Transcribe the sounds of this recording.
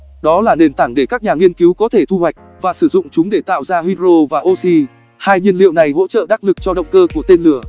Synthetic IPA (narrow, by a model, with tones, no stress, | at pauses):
ɗɔ˨˦laː˨˩ne˨˩nt̪aː˧˩ŋɗe˧˩kaː˦˥k̚ɲaː˨˩ŋi˧ənki˨˦wkɔ˨˦t̪ʰe˧˩t̪ʰu˧hwa˨˩jk̟̚vaː˨˩sɨ˧˩zʊ̰˧˨ŋ͡mt͡ɕʊ˨˦ŋ͡mɗe˧˩t̪a̰ː˧˨wzaː˧hi˧zo˧vaː˨˩ʔo˧si˧ | haː˧jɲi˧ənlḭ˧˨ə˨wna˨˩jɦo̰˧˥t͡ɕə̰ː˧˨ɗaː˦˥k̚lɨ˨˩k̚t͡ɕɔ˧ɗə̰˧˨wŋ͡mkəː˧ku˧˩ət̪e˧nlɨ˧˩ə